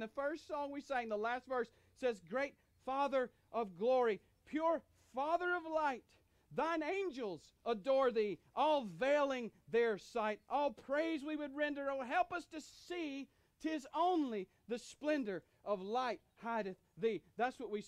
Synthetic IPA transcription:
ðɨfɜ˞stsɔ̃ŋwiseɪɨ̃n̩ðəlæstvɜ˞sː | ɛzɡɹeɪt̚ | fɑðə˞ | ʔʌvɡlɔɹi | pʰj̥ʊɹ | fɑðə˞ʌvlaɪt̪̚ | ðãɪ̃nẽɪ̃nd͡ʒəl̩ˠz | ədɔɹðiʔɔlˠveɪlˠɪ̃ŋðə˞saɪɾʔɔlˠpʰɹ̥eɪzwiwɨd̚ɹɛ̃ndə˞oʊɦɛlˠpʌstɨsi | tʰɪzõʊ̃nli | ðɨsplɛ̃ndə˞ | ʔʌvlaɪt̚haɪɾɨθðiðætswʌt̚wi

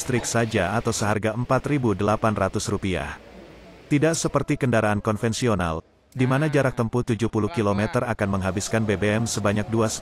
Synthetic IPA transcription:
st̪ɾɪksad͡ʒaːt̪awsəɦarɡaəmpat̪ribudəlapanrat̪usrupia̰h | t̪idaʔsəpərt̪ikəndaɾaːnkɔnfɛnsiona̰l | dimanad͡ʒaɾak̚t̪əmput̪ud͡ʒuhpuluhkilomɛt̪ərakanməŋɦabiskanbebeɛmsəbaɲak̚duas

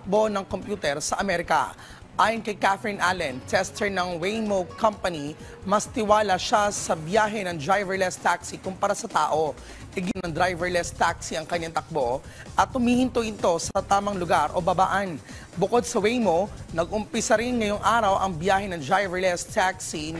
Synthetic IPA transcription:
ɐk̚bo̞nɐŋkompjuːt̪ɛɾsɐʔɐmɛɾɪkɐ̰ | ʔaːjɐnkɐjkafɾinʔalɐnt̪ʰɛst̪ʰɛɹnɐŋwejmowkʰːɐmpɐni | mɐst̪ɪwaːlɐʃasɐbjaːɦɛnɐŋd̪ɾajvɛɹlɛst̪aksikʊmpɐɾasɐt̪aːʔo̞ | ʔɪɡɪnɐŋd̪ɾajvɛɹlɛst̪aksiɐŋkɐɲːat̪ɐk̚bo̞ | ʔɐt̪̚ʔʊmiːhɪnt̪oʔɪnt̪o̞sɐt̪aːmɐŋlʊɡaɾʔo̞̰bɐbaːʔɐn | bʊko̞d̪̚sɐwejmonɐɡʔʊmpɪsɐɾɪnŋɐjoŋʔaːɾɐwʔɐŋbjaːhɛnɐŋd̪ɾajvɛɹlɛst̪aksi

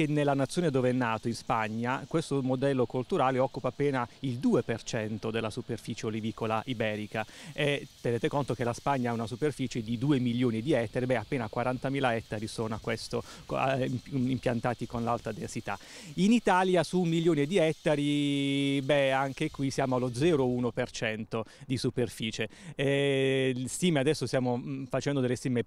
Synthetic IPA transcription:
kenːelːanat̪sːjoːned̪oːveɛnːaːt̪oinspaɲːakwest̪omod̪ɛlːokult̪uɾaːleɔkːupaːpːeːnaild̪uːepert͡ʃɛnt̪od̪elːasuperfiːt͡ʃeolivikolaʔibɛːɾikaet̪ːeneːt̪ekont̪ok̟elaspaɲːaaunasuperfiːt͡ʃed̪id̪uːemiljoːnid̪iɛt̪ːaɾibɛapːeːnakwaɾant̪amiːlaɛt̪ːaɾisoːnoakːwɛst̪o̰a̰impjant̪aːt̪ikonlalt̪ad̪ḛnsit̪a̰init̪aljasumiljoːned̪iɛt̪ːaɾi | bɛaŋk̟ekwisjaːmoalod̪zɛːɾouːnopert͡ʃɛnt̪od̪isuperfiːt͡ʃeɛ | st̪iːmead̪ɛsːost̪jaːmofat͡ʃɛnd̪od̪elːest̪iːme

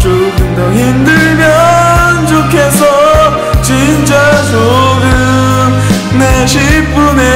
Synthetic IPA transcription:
t͡ɕoɡɯnd̪ʌçimdɯɭmjʌnt͡ɕokʰes̬ʰʌ | t͡ɕint͡ɕ͈asoɡɯ | m | neɕʰip̚p͈une

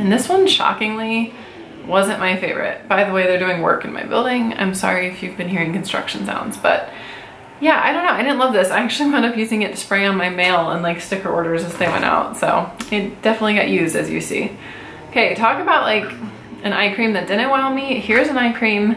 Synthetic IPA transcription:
ɨ̃nðɪswʌ̃nʃɑ̰kɪ̃ŋli | wʌzɨ̃nmaɪfeɪvə̰˞ɨ̰t̚b̥aɪðəweɪðə˞dʉɪ̃ŋwɜ̰˞kɨ̃n̩ma̰ɪbɪ̰lˠdɪ̃ŋã̰ɪ̃msɑ̰ɹiɨfjʉvbɨ̃nhiɹɪ̃ŋkʰnstɹ̥ʌ̰kʃn̩zã̰ʊ̃ndz̥b̥ʌ̰t̚ | jæʔa̰ɪɾõʊ̃nːoʊaɪɾɪdⁿn̩tlʌvðɪsaɪæk̚t͡ʃʉl̩ˠiwɛ̃ndʌpjʉzɪ̃ŋɨtʰɨ̥spɹeɪə̃nmaɪmeɪlˠə̰̃nlaɪkstɪkə˞ɔɹɾə˞zɨzðeɪwɛ̰̃nta̰ʊtsoʊɪt̚d̥ɛfənətˡliɡɑ̰ʔjʉzdɨzjɨ̰sḭ | oʊkʰeɪtʰɔkɨbaʊtʔlaɪk | ɨ̃ñaɪkʰɹ̥ĩmðɨt̚d̥ɨ̃ñɨt̚waɪ̃nmihiɹzɨ̃naɪkʰɹ̥ĩm

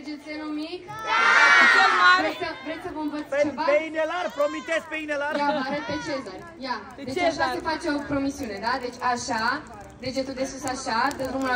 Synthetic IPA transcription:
d͡ʒesenumik | vɾesəvɾesəvəmvət̪st͡ʃevaeinelarpɾomit̪eskpeinelajaaɾəpet͡ʃezu | ja | et͡ʃt͡ʃepat̪efat͡ʃeo̞pɾo̞misiune̞d̪ad̪e̞t͡ʃʲaʃa | d̪e̞d͡ʒet̪ud̪esusaʃat̪ent̪ɾumula

